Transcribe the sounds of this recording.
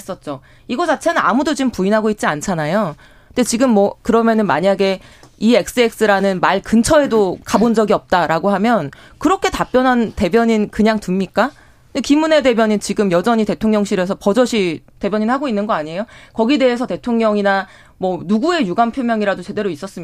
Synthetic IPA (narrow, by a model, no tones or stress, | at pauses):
s͈ʌt̚t͡ɕ͈o | iɡʌt͡ɕat͡ɕʰenɯna̰mudod͡ʑiɯmpuinɦaɡoit̚t͡ɕ͈iant͡ɕʰanajo | ndet͡ɕiɡɯmːwʌkɯɾʌmjʌnɯnmaɲaɡe̞ie̞k̚s͈ɯe̞k̚s͈ɯɾanɯnmaɭkɯnt͡ɕʰʌe̞dokabond͡ʑʌɡiʌp̚t͈aɾaɡoɦamjʌnkɯɾʌkʰe̞tap͈jʌnɦante̞bjʌɲinkɯɲaŋtumɲik͈a | ekimːune̞de̞bjʌɲint͡ɕiɡɯmjʌd͡ʑʌɲite̞tʰoŋɲjʌŋɕʰiɾesʰʌpʌd͡ʑʌɕʰite̞bjʌɲinhaɡoinːɯnɡʌaɲe̞jokʌɡide̞ɦesʰʌte̞tʰoŋɲʌŋina | mwʌnuɡue̞juɡampʰjomjʌŋiɾadot͡ɕe̞de̞ɾois͈ʌs͈ɯm